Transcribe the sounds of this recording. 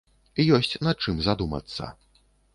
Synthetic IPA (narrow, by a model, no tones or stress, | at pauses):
ijɔsʲt͡sʲnɐt͡ʂɨmzad̪umɐ̰t̪sːɐ̰